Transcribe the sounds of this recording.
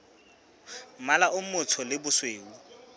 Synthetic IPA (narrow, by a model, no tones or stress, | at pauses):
m̩malaʔʊmʊt͡sʰɔlɪbʊsweːu